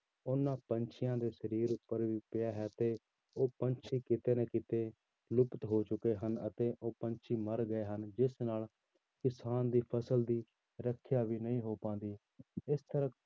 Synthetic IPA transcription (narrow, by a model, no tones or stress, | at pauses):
ʊnːãːpənt͡ʃʰɪjãːd̪eːʃəɾiːɾʊpːəɾʋiːpɪjaːɦɛːt̪eː | oːpənt͡ʃʰiːkɪt̪eːnɛːkɪt̪eː | lʊpt̪ɦoːt͡ʃʊkeːɦənə̰t̪eːʔoːpənt͡ʃʰiːməɾɡəeːɦənd͡ʒɪsnaːl | kɪsaːnd̪iːpʰəsəld̪iː | ɾəkʰjaːʋiːnəĩːɦoːpãːnd̪iː | ɪst̪əɾə